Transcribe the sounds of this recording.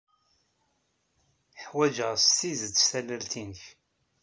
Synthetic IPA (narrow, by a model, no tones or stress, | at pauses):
ħwæd͡ʒəʁstizəd̪sæləlt̪inəç